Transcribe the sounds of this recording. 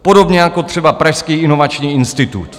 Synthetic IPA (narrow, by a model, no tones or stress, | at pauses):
po̞do̞bɲɛjako̞t̪r̝̥ɛbapɾaʃskiːʔɪno̞vat͡ʃɲiːɪnst̪ɪt̪ṵt̪